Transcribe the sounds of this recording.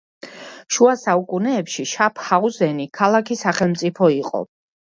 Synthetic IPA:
ʃuasaukʼunɛːpʃiʃapʰhauzɛnikʰalˠakʰisaχɛlˠmt̪sʼipʰɔiqʼɔ̰

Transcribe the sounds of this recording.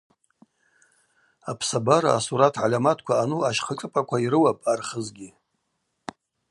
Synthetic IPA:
apʰsabaɾa̰a̰suɾatʰʕalʲamatʰkʷʰaanuaʃχəʈ͡ʂʼɨpʼakʷʰaiɾɨwapʼarχəzɡʲi

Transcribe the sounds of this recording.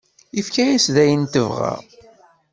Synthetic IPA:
ifkæjæsðæjənt̪əvʁa̰

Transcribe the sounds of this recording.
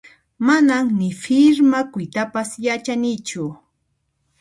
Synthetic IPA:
manaŋnɪfɪɾmakʊjt̪apasjat͡ʃanɪt͡ʃʊ

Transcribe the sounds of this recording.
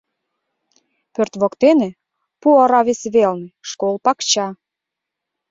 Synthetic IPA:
pørt̪βokt̪enĕ | puɑɾɑβesβelneʃkolˠpɑkt͡ɕɑ

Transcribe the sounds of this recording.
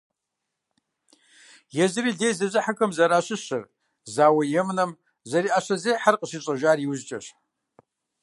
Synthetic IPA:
jɛzɨɾiːɮejzɐzʼɨħakʰɐmzɐɾaːɕɨɕɨr | zaːwɐjɛmnɐm | zɐɾiːʔaɕɐzejħarqʼəɕiːɕʷʼɐʒʷaːrjiwzt͡ʃʼɐɕ

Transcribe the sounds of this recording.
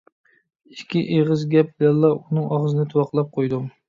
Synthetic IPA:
i̥kʲːiʔeʁɨzɡʲɛp̚lɛlˠːɑunɨŋɑʁzɨnɨt̪ʰuwɑqlˠɑp̚qʰojd̪u

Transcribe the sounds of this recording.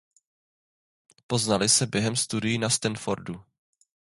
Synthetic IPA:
po̞znalɪsɛbjɛɦɛmst̪udɪjinast̪ɛnfoɾdu

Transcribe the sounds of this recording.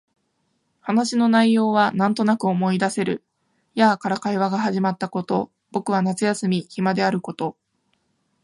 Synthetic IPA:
hanaɕino̞naijo̞ːβ̞anãnt̪o̞nakɯ̟o̞mo̞id̪ase̞ɾɯ̟ | jaːkaɾakaiβaɡaɦaʑimat̪ːako̞t̪o̞̰ | b̥o̞kɯ̟β̞anat͡sɨjasɨmʲiçimad̪e̞aɾɯ̟ko̞t̪o̞

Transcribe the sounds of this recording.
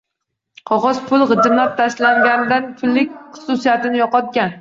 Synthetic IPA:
qʰɒʁɒz̥pʰʊlˠʁɨd̪ɪmlap̚t̪ʰaʃlaŋɡʲand̪ant̪ʰʊlːɪkʲχʊ̥susijat̪ɪnɪjɒqɒt̪̚ɡʲan

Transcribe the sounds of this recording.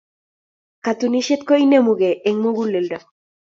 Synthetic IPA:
kat̪uniʃet̪̚koinemuɣeʔeŋmuɣulelda

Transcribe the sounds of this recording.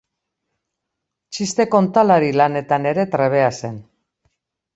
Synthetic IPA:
t͡ʃist̪e̞ko̞nt̪alaɾilane̞t̪ane̞ɾe̞t̪ɾe̞β̞e̞ase̞n

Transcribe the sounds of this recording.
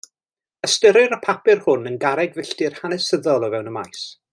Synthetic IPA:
əstəɾɨɾəpʰapɪrhʊnənɡaɾɛɡvɪɬtɪrhanɛsəðɔlˠəvɛwnəmajs

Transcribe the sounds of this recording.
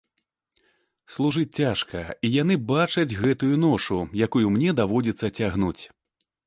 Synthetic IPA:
slˠuʐɨt͡sʲt͡sʲaʂkɐijan̪ɨbat͡ʂɐd͡zʲɣɛt̪ujunɔʂujakujumnʲɛd̪avɔd͡zʲit̪sːɐt͡sʲaɣnut͡sʲ

